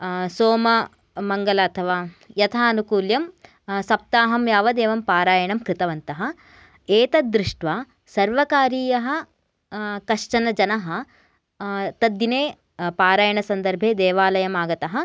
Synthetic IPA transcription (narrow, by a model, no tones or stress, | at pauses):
soːmɐ | mɐŋɡɐlɐːt̪ʰɐʋaːjɐt̪ʰaːɐnukuːljɐm | sɐp̚t̪aːɦɐmjaːʋɐd̪eːʋɐmpaːɾaːjɐɳɐmkɾɪt̪ɐʋɐnt̪ɐɦɐ̆ | eːt̪ɐd̪ɾiʂʈʋaː | sɐɾʋɐkaːɾiːjɐɦɐ̆ | kɐʂt͡ʃɐnɐd͡ʒɐnɐɦɐ̆ | t̪ɐd̪ːineː | paːɾaːjɐɳɐsɐnd̪ɐɾbʱeːd̪ɛːʋaːlɐjɐmaːɡɐt̪ɐɦɐ̆